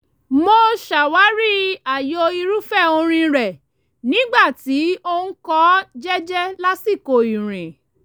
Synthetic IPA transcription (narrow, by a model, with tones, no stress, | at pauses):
mo˧ʃa˨wa˨˦ɾi˦a˨jo˧i˧ɾu˦fɛ˦˨o˧ɾ̃ĩ˧ɾɛ˨ | nĩ˦ɡ͡ba˦˨ti˨˦o˧ñ̩˦kɔ˦d͡ʒɛ˦d͡ʒɛ˦la˦si˦˨ko˧˨i˨ɾ̃ĩ˨